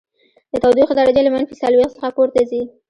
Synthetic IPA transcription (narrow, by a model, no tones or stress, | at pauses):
d̪̥ət̪awd̪ixad̪ɑɾad͡ʒalamanfisalwext̪səxapoɾt̪azi